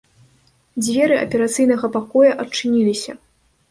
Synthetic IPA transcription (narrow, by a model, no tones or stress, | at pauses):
d͡zʲvʲɛɾɨʔɐ̰pʲɛɾat̪sɨjnɐɣɐpakɔjɐʔɐt͡ʂːɨnʲilʲisʲɐ